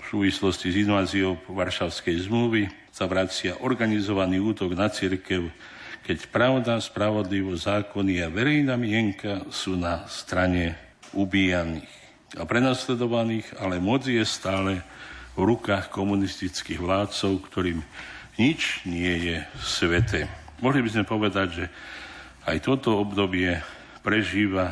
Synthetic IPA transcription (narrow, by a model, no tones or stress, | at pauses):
fsuːʋislɔscizinʋaːziɔʋaɾʃaʊskɛjzmluʋi | saʋɾat͡sɪaʔɔɾɡanizɔʋaniːuːt̪ɔɡnat͡siɾkɛʊ | kɛcpɾaʊd̪aspɾaʋɔd̪liʋɔzaːkɔniaʋɛɾɛjnamɪɛŋkasuːnast̪ɾaɲɛ | ubiːjaniːx | apɾɛnaslɛd̪ɔʋaniːɣalɛmɔd͡zijɛst̪aːlɛvɾukaːxkɔmunist̪it͡skiːɣʋlaːt̪t͡sɔʊkt̪ɔɾiːm | ɲit͡ʃɲɪɛjɛsʋɛt̪ɛː | mɔɦlibizmɛpɔʋɛd̪aɟʒɛ | ajt̪ɔt̪ɔɔbd̪ɔbɪɛ | pɾɛʒiːʋa